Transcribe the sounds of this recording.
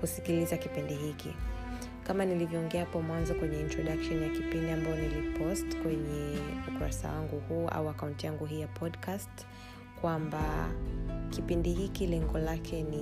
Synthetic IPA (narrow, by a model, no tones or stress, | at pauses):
kusikilizakipindiɦikḭ | kamanilivjɔːŋɡɛahapɔmwanzɔkwɛɲɛintɹɔɗakʃɔnjakipindiambajɔnilipʰɔstkwɛɲɛukuɾa̰sa̰waŋɡuhuːʔa̰uakaũntijaŋɡuɦiːjapʰɔdkast | kwamba | kipindihikilɛŋɡɔlakʰɛni